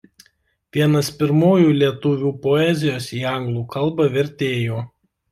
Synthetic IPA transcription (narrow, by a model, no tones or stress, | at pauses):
ʋʲiɛnɐspʲɪɾmoːjuːlʲiɛt̪ʊʋʲuːpoɛzʲɪjoːsiːɑˑŋɡlˠuːkɐlˠˑbɐʋʲɛɾʲt̪ʲeːjoː